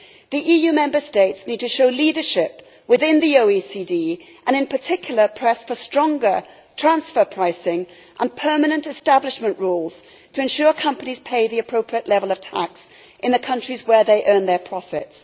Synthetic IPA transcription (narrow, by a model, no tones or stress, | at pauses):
ðiʔijʉmɛ̃mbə˞steɪtsnid̚tɨʃoʊliɾə˞ʃɪp | wɨðɪ̃nðioʊisidi | ʔɨ̃ñɨ̃npʰə˞tʰɪkʰjl̩ˠə˞pʰɹ̥ɛsfə˞stɹ̥ɔ̃ŋɡə˞ | tʰɹ̥æ̃nsfə˞pʰɹ̥aɪsɪ̃ŋ | ʔə̃npʰɜ˞mɨnɨ̃ntɨstæblɨʃmə̃nʔɹulˠz̥ | tʰɨɨ̃nʃʊɹkʰʌ̃mpəniz̥pʰeɪðiɨpʰɹ̥oʊpʰɹiɨʔˡlɛvəlˠʌv̥tʰæ̰ks | ʔɨ̃nðɨkʰʌ̃nt͡ʃɹ̥izwə˞ðeɪʔɜ̃˞nðə˞pʰɹ̥ɑfɪ̰ts